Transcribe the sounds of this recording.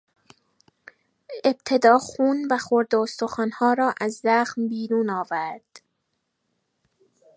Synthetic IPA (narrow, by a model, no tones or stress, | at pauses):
e̞b̥̚t̪ʰe̞d̪ɒːxuːnvæxoɾd̪eost̪oxɒːnhɒːɾɒːʔæzːæxmbiːɾuːnɒːvæɾd̪̥